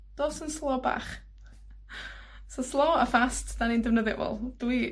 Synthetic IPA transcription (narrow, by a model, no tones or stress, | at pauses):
d̥oːsənslˠɔːba̰ːχ | sɔslˠɔːəfastʰd̥anindəvnəðɪ̰ʔvɔ̰lˠd̥wi